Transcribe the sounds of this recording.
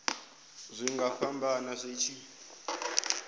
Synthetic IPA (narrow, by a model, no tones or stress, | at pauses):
zʷiŋɡafambanazʷet͡ʃʰi